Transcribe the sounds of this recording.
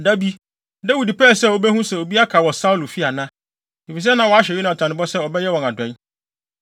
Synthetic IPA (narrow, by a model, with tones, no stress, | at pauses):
da˦bi˦ | da˦wi˨di˨pɛː˦˨sɛ˦˨wo˨bɛ˦hũ˦sɛ˨o˨bi˦a˦kʰa˨wɔ˨sa˦wlu˨fi˦a˨nã˦ | i˨fi˨s̬ɛ˦nã˨˦wɔ˨a˦ɕɛ˨i˦nã˨tʰã˨nɪ̃˦bɔ˦sɛ˦ɔ˨bɛ˦jɛ˦wɔ̃˨ŋa˨dɛ̃˨˦n